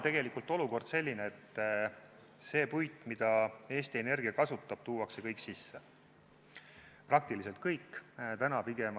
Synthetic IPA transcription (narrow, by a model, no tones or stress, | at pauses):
t̪e̞ɡ̥e̞likult̪ːˑo̞luko̞rd̪̥se̞lʲːineet̪ːˑ | se̞ːpujt̪ːˑmid̪̥ɑe̞ːst̪iene̞rɡ̥iɑkɑsut̪ːˑɑb̥̚t̪uːɑkse̞kɤjksisːe | prɑk̚t̪iliselt̪̚kɤjkːt̪ænɑpiɡe̞m